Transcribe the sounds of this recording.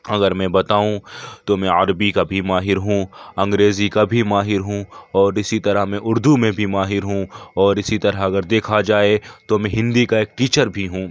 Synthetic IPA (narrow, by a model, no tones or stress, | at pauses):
ɐɡəɾmɛ̃bɐt̪aːũt̪omɛ̃ɐɾbikabʱimaːɦɪɾɦũːɐ̃ŋɡɾeːzikabʱimaːɦɪɾɦũɔːɾɪsit̪ɐɾəɦmɛ̃ʔʊɾd̪umẽbʱimaːɦɪɾɦũɔːɾɪsit̪ɐɾəɦɐɡəɾd̪eːkʰad͡ʒaːet̪omɛ̃ɦɪ̃nd̪ikaeːk̚ʈiːt͡ʃəɾbʱiɦũː